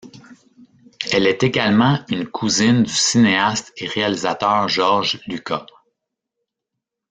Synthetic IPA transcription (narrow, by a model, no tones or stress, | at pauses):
ɛlɛt̪eɡʲalmɑ̃ynkʰuzɪnd̪ysineast̪eʁealizat̪œːʁʒɔʁʒlyka